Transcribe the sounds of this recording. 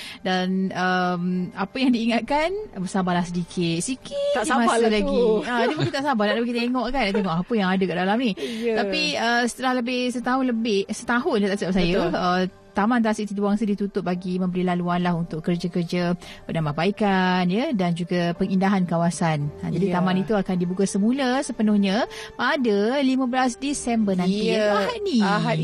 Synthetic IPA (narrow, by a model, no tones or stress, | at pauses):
danəmapəjaŋdiːŋat̪̚kanbəsabalahsədikʰɪt̪̚sikɪt̪dimasəlaɡiadimukkint̪aʔsabaht̪aʔləbikt̪eŋɔʔkant̪eŋɔʔapəjaŋadəkaʔdalamnĩapiəsə̥t̪əlahləbɪhsət̪aɦʊnləbɪhsət̪aɦʊndət̪aʔst̪ap̚sajəə | t̪amant̪asiʔt̪id̪uwaŋsədit̪ut̪ʊt̪̚baɡimə̃mbəɾilaluanlaɦunt̪ʊʔkərd͡ʒakərd͡ʒapədambahbaikanjədand͡ʒuɡapəŋindaɦankawasanə̰d͡ʒadit̪amanit̪uakandibukasəmuləsəpənʊhɲə̃ | padəlimə̃bəlasdisɛmbənãnt̪iaɦaniɦ